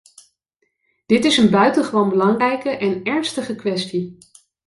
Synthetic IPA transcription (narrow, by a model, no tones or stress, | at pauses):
d̥ɪtɪsənbœɥtənχəʋownbəlɑŋrɛjkəʔɛnɛɹnstəχəkʋɛsti